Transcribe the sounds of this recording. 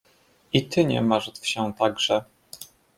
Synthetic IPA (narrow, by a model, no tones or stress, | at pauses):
it̪ɘɲɛ̰maʐt̪fɕɛ̃t̪aɡʐɛ